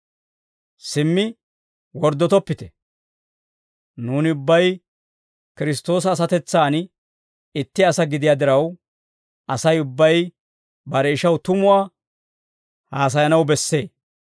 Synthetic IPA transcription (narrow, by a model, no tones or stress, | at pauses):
sɪmːɪ | wɔɾd̪ːɔt̪ɔpːɪt̪ɛ̥ | nuːnɪʊbːɐj | kɪɾɪst̪o̞ːs̬ɐːs̬ɐt̪ɛt͡sːaːn | ɪt̪ːɪɐsɐɡɪd̪ɪjad̪ɪɾɐw | ɐsɐjʊbːɐj | bɐɾɛɪʃɐwt̪ʊmʊwaː | haːs̬ɐjɐnɐwbɛsːe̞ː